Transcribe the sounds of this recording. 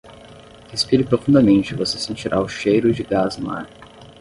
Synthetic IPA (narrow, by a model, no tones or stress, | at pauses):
hespiɾɪpɾofũd̪ɐmẽnt͡ʃɪvosesẽnt͡ʃiɾʔaʊʃejɾʊd͡ʒɪɡazma̰ɾ